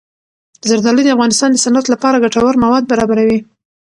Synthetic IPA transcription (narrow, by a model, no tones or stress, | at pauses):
əzaɾd̪ɑlid̪əafɣɑnɪst̪ɑnd̪əsanat̪lapɑɾaɡaʈawaɾmawɑd̪̚baɾɑbaɾawi